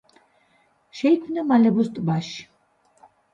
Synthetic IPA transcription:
ʃɛjkʰmnamalɛbust̪ʼbaʃ

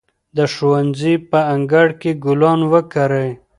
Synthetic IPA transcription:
d̪əʃuwanzipəaŋɡaɽkeɡʊlɑnwəkaɾəj

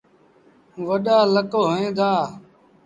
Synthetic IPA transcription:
ʋəɗaːləkoːɦoẽːd̪aː

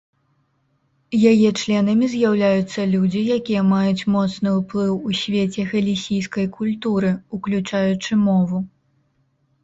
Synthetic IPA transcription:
jajɛt͡ʂlʲɛnɐmʲizʲjawlʲajut̪sːɐlʲud͡zʲijakʲijɐmajut͡sʲmɔt̪snɨuplˠɨwusʲvʲet͡sʲɛɣɐlʲisʲijskɐjkulʲt̪uɾɨuklʲut͡ʂajut͡ʂɨmɔvu

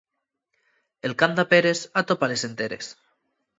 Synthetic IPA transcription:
elkand̪apeɾesat̪opalesent̪eɾḛs

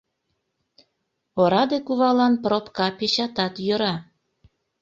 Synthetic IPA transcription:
oɾɑd̪ekuβɑlɑnpropkɑpeɕɑt̪ɑt̪jøɾɑ

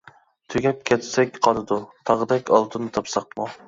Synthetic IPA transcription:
t̪ʰøɡʲɛp̚kʲʰɛt̪sɛkʲqʰɑlˠɨd̪ut̪ʰɑʁəd̪ɛkʲɑlˠt̪ʰɨnɨt̪ʰɑpsɑq̚mu

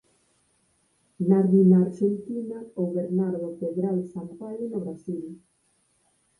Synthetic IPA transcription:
naɾðinaːɾʃent̪inaoβeɾnaɾðopeðɾalsampajɾnoβɾasil

